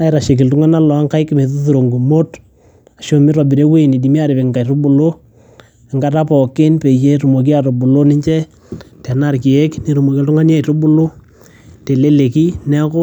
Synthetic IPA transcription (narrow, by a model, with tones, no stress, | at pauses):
a˨˦ɪ˨ɾa˨ʃe˨k̬ɪ˨ltʊ˦ŋa˦na˦lɔ˨a˦ŋka˦jkɪ˨me˨tu˦tu˨ɾo˨ŋɡu˨mo˦t | a˨ʃo˨mɪ˦ɾɔ˨bi˨ɾe˦we˦˨ni˨di˨mi˦a˨ɾɪ˨pɪ˨ŋka˨iɾʊ˦bʊ˨lo˦ | ɪ˨ŋɡa˦ta˦pɔ˨kɪ˦npe˨je˦ɾu˨mo˨k̬i˦a˨to˨bʊ˨lo˦nɪ˦ɲt͡ʃɛ˦ | tɛ˨na˦ɾki˨e˦kne˨ɾu˨mo˨ki˦ltʊ˦ŋa˦n˦a˦˨tʊ˦bʊ˦lʊ˦ | te˨le˦le˨ki˦nɛ˦ko˦